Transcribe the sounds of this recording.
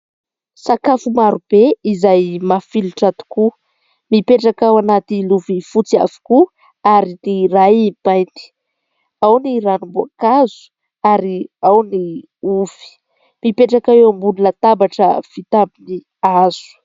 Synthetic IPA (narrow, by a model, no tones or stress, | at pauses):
sakafumaɾub̥eizajmafiluʈ͡ʂat̪u̥ku | mipeʈ͡ʂakawanat̪iluvifut͡sia̰vi̥ku | aɾinirajib̥ajnt̪i̥ | awniɾanumbuakazu̥ | aɾiawni | uv̥i̥ | mipeʈ͡ʂakaewambunilət̪abaʈ͡ʂə̰v̥it̪abini | az̥u̥